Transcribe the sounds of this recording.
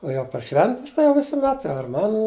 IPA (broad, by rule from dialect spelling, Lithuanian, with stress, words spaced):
oː jɛʊ pɐr ˈʃʲʋʲɛnʲtʲɪs tɐɪ jɛʊ ʋʲɪsʊˈmʲɛt ɐr ˈmɑːˌnuː